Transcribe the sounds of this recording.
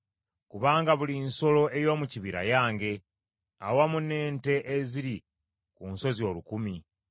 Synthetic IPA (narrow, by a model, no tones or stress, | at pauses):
kuβaːŋɡaβulinso̞loe̞jo̞ːmuciβiɾa̰jaːŋɡe̞ | awamune̞ːnte̞ʔeziɾi | kunso̞zio̞ːlukumi